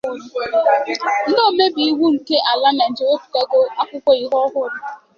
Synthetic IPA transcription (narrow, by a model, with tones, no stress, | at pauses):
n̩˦no˦˨me˦bi˨i˦wu˦ŋ̩˨ke˦ʔa˨la˦na˨n̩˨d͡ʒe˨e˦pu̥˨ka˦ɡo˦a˦kʷʊ˦kʷɔ˦i˦ɦɔ˦ɦʊ˦ɾʊ˦